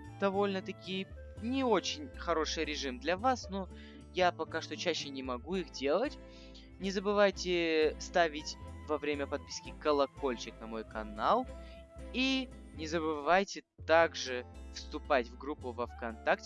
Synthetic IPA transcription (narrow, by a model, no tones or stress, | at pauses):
d̪̥ɐvo̞lʲnət̪ɐkʲijə | nʲɪo̞t͡ɕɪnʲxɐɾo̞ʂɨjɾʲɪʐɨmd̪lʲɐvasno | japɐkaʂt̪o̞t͡ɕæɕːɪnʲɪmɐɡuixdʲe̞lˠətʲ | nʲɪzəbɨvajtʲɪst̪avʲɪtʲvɐvɾʲemʲəpɐt̪̚pʲi̥skʲɪkəlˠɐko̞lʲt͡ɕɪknɐmo̞jkɐnalˠ | i | nʲɪzəbɨvajtʲɪ | t̪aɡʐɨfst̪ʊpatʲvɡɾupːʊvɐfkɐnt̪aktʲ